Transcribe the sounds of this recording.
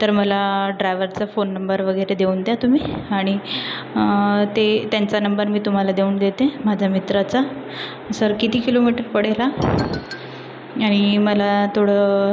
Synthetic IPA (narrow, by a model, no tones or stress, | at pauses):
t̪əɾməlaɖɾajʋəɾt͡safonːəmbəɾʋəɡəjɾed̪euːnd̪jat̪um̤iːaɽ̃i | t̪et̪jant͡sanəmbəɾmiːt̪um̤alad̪euːnd̪et̪emad͡ʑʱamit̪ɾat͡sa | səɾkit̪iːkilomiʈəɾpəɽ̤ela | aɽ̃iməlat̪ʰoɽə